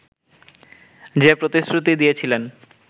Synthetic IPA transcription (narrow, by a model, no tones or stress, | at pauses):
d͡ʑepɾot̪isɾut̪id̪ijet͡ɕʰilen